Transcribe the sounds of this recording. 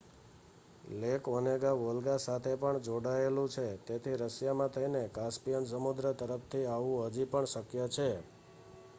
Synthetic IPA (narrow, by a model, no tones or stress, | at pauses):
lekɔneɡaʋolɡasat̪ʰepəɳd͡ʒoɽaelũt͡ʃʰet̪et̪ʰiɾəsjamãt̪ʰəinekaspijəns̬əmud̪ɾət̪əɾəpʰt̪ʰiaʋũɦəd͡ʒipəɳʃəkjət͡ʃʰe